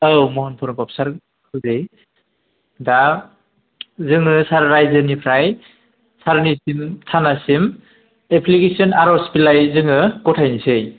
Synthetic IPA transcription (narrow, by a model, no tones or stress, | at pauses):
ɯwmɔɦɔnpʰɔɾɔŋpap̚saɾ | kʰɯzɯj | da | zɯŋɯsaɾːajzɯnipʰɾaj | saɾnisimtʰanasim | epʰlikesiɔnaɾɔspilajzɯŋɯɡɔtʰajnisɯj